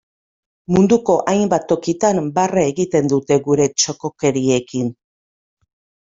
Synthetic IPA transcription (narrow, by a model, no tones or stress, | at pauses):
mund̪uko̞ʔajmbat̪ːo̞kit̪ambaraeɣit̪e̞nd̪ut̪e̞ɣuɾe̞t͡ʃo̞ko̞ke̞ɾie̞kin